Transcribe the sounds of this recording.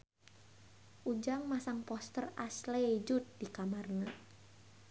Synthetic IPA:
ʔud͡ʒaŋmasaŋpɔst̪ərasled͡ʒut̪̚dikamarna

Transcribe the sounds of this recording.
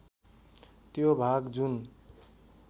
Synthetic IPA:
t̪jobʱaɡd͡zun

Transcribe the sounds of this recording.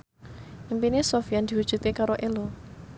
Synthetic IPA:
ʔimpinesofijand̪̥iwud̥ʒ̥ṳt̪ekaɾoʔelɔ

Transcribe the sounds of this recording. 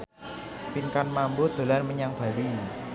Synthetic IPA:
pinkanmambod̪̥o̤larməɲaŋb̥a̤li

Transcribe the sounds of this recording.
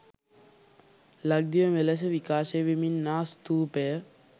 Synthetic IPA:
lɐɡ̚d̪iʋəmelɐs̬əʋikaːseʋeminːaːst̪uːpejə

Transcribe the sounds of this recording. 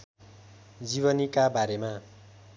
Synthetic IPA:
d͡ziβʌnikabaɾema

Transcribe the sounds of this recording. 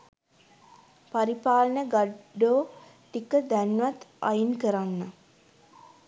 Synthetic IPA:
paɾipaːlənəɡaɖoː | ʈikəd̪ænʋat̪a̰jinkəɾanːa

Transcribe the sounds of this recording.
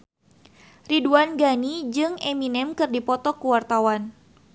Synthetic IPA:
riduanɡanid͡ʒɨŋeminɛmkɨrdipɔt̪ɔkuwart̪awan

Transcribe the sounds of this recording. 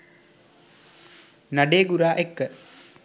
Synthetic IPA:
nɐɖeːɡuɾaːʔekːə

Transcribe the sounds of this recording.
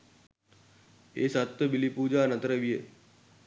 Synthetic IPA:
ḛːsat̪ːəbilipuːd͡ʒaːnət̪ɾəʋije

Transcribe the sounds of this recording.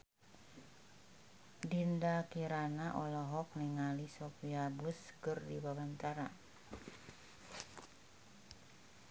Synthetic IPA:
dindakiɾanaʔɔlɔɦɔk̚niŋalisɔfiabuskɨrdiwawant̪aɾa

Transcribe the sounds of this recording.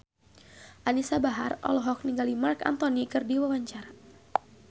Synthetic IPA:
ʔanisabaɦarɔ̰lɔɦɔk̚niŋɡalimarka̰nt̪ɔnikɨrdiwawaɲt͡ʃaɾa

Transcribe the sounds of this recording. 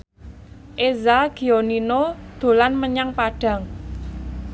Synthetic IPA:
ʔezaɡ̥i̤oninod̪̥o̤lanməɲaŋpaɖ̥ä̤ŋ

